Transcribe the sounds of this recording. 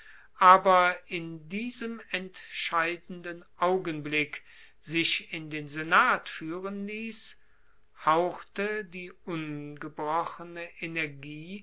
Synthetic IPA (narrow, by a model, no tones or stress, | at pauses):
ʔaːbɐɪndiːzəmɛntʃaɪdn̩dənʔaʊɡənblɪk | z̥ɪʃɪndeːnzenaːtfyːʁənliːs | haʊxtədiːʊnɡəbʁɔχənəʔenɛɐɡiː